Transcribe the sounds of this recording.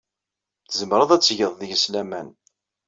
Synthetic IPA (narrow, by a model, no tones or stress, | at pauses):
θzəmɾˤəðˤæt͡sːʝəðˤðjəslæmæn